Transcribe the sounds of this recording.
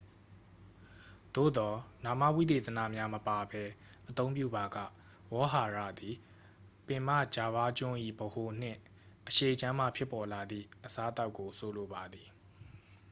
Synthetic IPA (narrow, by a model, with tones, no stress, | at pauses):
d̪̥o̰˦˨d̪ɔ˨na˨ma̰˦˨wḭ˦˨t̪e˨t̪ə˨na̰˦˨mja˦məpa˨bɛ˦ʔət̪õ˦ʊ̃pjṵ˦˨ba˨ɡa̰˦˨ | wɔ˦ɦa˨ɹä̰˦˨d̪i˨ | pɪ̃˨ma̰˦˨d͡ʑa˨βa˦t͡ɕʊ̃˦ʔḭ˦˨bəho˨n̥ɪ̰̃˦˨ | ʔəʃe˦˨ət͡ɕã˦m̥a˨pʰjɪ˦pːɔ˨la˨d̪ðḭ˦˨ʔəsa˦ʔət̪a˦ʊkːo˨so˨lo˨ba˨d̪ði˨